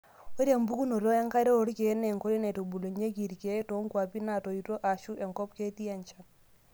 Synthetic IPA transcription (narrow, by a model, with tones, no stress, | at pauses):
o˦ɾja˨mbu˦ku˦no˨ɾo˦ɛ˦ŋka˦ɾɔ˦o˨˦ɾke˨˦ne˨ŋko˦ɾi˦nɛ˨to˨bu˨lo˨ɲe˦ki˨ɾke˨˦to˨˦ŋkwa˨pi˦na˨to˨i˨to˦ʔa˨ʃu˦ɛ˨ŋkɔ˦pke˦ti˦a˨ɲt͡ʃa˨n